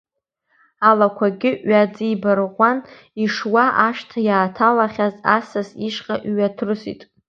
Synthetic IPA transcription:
alakʷʰaɡʲɪʔɥad͡zijbarʁʷan | iʂwaʔaʃtʰajaːtʰalaχʲaza̰sasiʂqʼaʔɥatʰrɨsḭtʼ

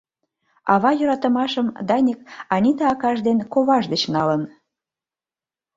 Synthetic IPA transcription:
ɑβɑjø̆ɾɑt̪ə̆mɑʃəmd̪ɑnʲik̚ɑnʲit̪ɑːkɑʒd̪enkoβɑʒd̪ət͡ɕnɑlən

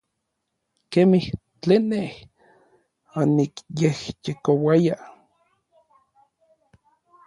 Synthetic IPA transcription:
kemih | t͡ɬenːeh | anikjehjekowaja

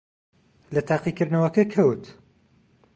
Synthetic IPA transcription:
lɐt̪ʰaːqikɨɾd̪nɐwɐkɐkʰɐwt̪

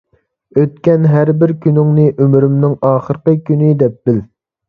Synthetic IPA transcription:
øt̪kʲɛnɦæɾbɪɾkʲynyŋnɨʔømɾymnɪŋɑːχəɾəqəkʲynɪd̪ɛp̚b̥ɪl

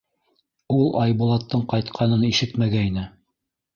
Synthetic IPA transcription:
ulˠʔɑjbulˠɑt̪ːɤɴqɑjt̪qʰɑnɤniʃɘt̪mæɡæinɘ

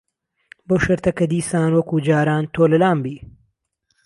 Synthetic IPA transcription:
bowʃɐɾt̪ɐkɐd̪iːsaːnwɐkuːd͡ʒaːɾaːnt̪ʰoːlɐlaːmbiː

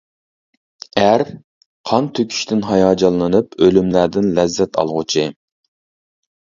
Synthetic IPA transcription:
æɾ | qʰɑnt̪ʰøkʲʰy̥ʃt̪ʰɪnɦɑjɑːd͡ʒɑlˠːɨnɨpølymlæɾd̪ɪnlɛzːɛt̪ʰɑ̰lˠʁʊt͡ʃʰi

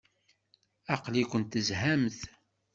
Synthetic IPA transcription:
ɑqlikʷənt̪ːəzhæmθ

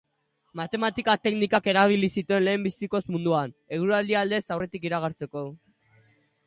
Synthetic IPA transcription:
mat̪e̞mat̪ikat̪e̞knikake̞ɾaβ̞ilisit̪ue̞nle̞ːmbisiko̞smund̪uane̞ɣ̞uɾuald̪iald̪e̞sawre̞t̪ikiɾaɣ̞aɾt͡se̞ko̞

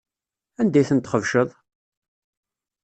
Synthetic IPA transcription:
ænd̪æjθənt̪χəvʃəðˤ

